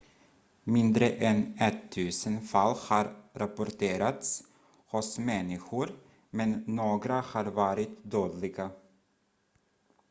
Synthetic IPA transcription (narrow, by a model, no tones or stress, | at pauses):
mɪnd̪ɾəʔɛnɛt̪ʰːʉ̟ːsənfalːhɑːɾɾapʊɾʈʰeːɾat̪s | hʊsmɛnːɪɧʊɾ | mɛnːoːɡɾahaːɾvɑːɾɪt̪d̪øːd̪lɪɡa